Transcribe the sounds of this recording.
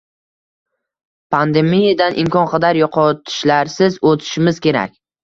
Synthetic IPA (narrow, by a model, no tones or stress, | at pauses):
pʰand̪e̞mijad̪anʔɪmkʰʲɒnqʰɑd̪aɾjoqʰɒt̪ʰɪ̥ʃlaɾsɪzot̪ʰɪ̥ʃɪmɪz̥kʲe̞ɾa̰kʲ